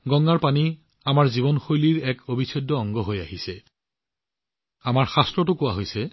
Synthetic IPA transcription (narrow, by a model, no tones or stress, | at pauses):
ɡɔŋːaɹpani | amaɹziβɔnxojliɹɛkobisʰɔdːɔɔŋɡɔɦojaɦisɛ | amaɹxastɹɔtʊkʊwaɦojsɛ